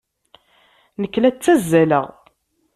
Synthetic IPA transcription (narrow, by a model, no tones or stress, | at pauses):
nəkːlæt͡sːæzːælə̰ʁ